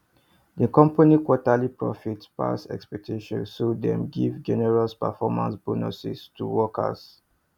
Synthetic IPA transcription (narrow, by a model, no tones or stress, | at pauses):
dikɔ̃mpanikwɔtalipɹɔfitspa̰sɛ̰kspɛk̚tʰiʃɔ̰̃nssodɛ̰̃mɡivd͡ʒɛnɛɹaspəfɔmã̰nsb̥onosḭstʰuwɔka̰s